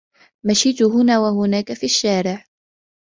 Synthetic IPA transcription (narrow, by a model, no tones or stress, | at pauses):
maʃiːt̪ʊɦʊnaːwahʊnaːkafiaʃːaːɾɪʕ